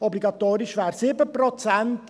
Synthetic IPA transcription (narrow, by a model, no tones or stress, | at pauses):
ɔbliɡɑt̪oːɾiʃʋæːɾsiːbəpɾɔt͡sænt